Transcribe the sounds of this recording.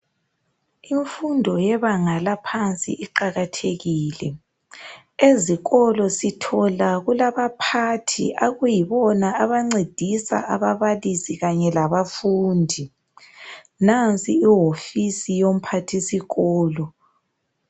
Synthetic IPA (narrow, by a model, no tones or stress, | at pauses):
iɱfundʱɔjɛβaŋalapʰant͡sʼḭʔiǃaɣatʰeɣiːlɛ | eziɣɔlɔsitʰɔlaɣulaβapʰatʰḭʔaɣujiβɔnaaβaŋ͡ǀed̥ʱisa̰ʔaβaβalisiɣaɲɛlaβafuːndʱi | nant͡sʼiiɦofisijom̩pʰatʰisiɣɔːlɔ